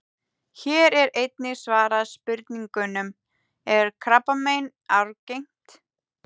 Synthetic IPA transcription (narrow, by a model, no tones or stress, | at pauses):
çɛːɾɛɾejt̪nɪsvaːɾaðspɪɾt̪niŋkʏnʏm | ɛɾ̥kʰɾapamejn | awɾcejŋ̥t̪